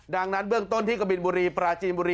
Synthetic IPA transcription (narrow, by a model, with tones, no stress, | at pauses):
da˧ŋna˦˥nbɯ˥˩əŋt̪o˥˩nt̪ʰiː˥˩ka˧˩bi˨˧nbuː˧ɾiː˧pɾaː˧t͡ɕiː˧nbuː˧ɾiː˧